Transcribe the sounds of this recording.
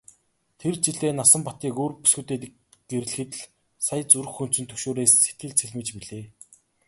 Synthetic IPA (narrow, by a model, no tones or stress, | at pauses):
t̪ʰert͡ɕiɮeːnasə̆mpɔt̪iːkoːrpu̥sxŭt̪eːt̪̆ | ɡ̥eɾ̆ɮxɘ̆t̪̆ɮ | saj̆t͡suɾ̆xːɵn̥t͡sɵ̆nt̪ʰɵkʃoːɾeːsːet̪̚ɡɘ̆ɮt͡sʰeɮmɘ̆t͡ɕpiɮeː